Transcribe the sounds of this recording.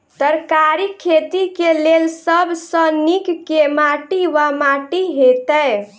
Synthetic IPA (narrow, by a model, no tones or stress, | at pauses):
t̪əɾkaɾikʰːet̪ikelelsəbʱsə̃nikkːemaʈiʋamaʈiɦet̪əj